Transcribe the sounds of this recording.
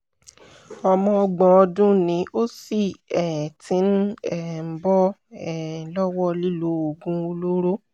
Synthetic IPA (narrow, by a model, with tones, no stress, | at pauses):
ɔ˧mɔ̃˧ɡ͡bɔ̃˨ɔ˧dũ˦nĩ˨˧˦ʔo˦si˦˨ɛ˨tĩ˨˦n̩˦ɛ˦˨m̩˦bɔ˦ɛ˨lɔ˦wɔ˦li˦lo˨˦o˨ɡũ˧˦o˧lo˦ɾo˦